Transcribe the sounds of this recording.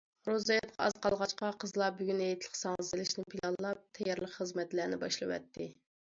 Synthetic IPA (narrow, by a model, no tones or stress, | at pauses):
ɾozɑjɑt̪qʰɑɑ̰z̥qʰɑlˠʁɑt͡ʃqɑqʰəzlˠɑbyɡʲynɛjt̪ʰlˠə̥qsɑŋəzɨlɪʃnɪpʰilˠɑllːˠɑp̚t̪ʰɛjɛɾlˠəqχəzmɛt̪læɾnɪbɑʃlˠɨwɛ̰t̪ːɪ